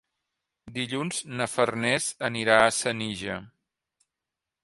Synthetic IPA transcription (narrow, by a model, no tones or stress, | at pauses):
d̪iʎunznəfərnɛzəniɾaəsəniʒə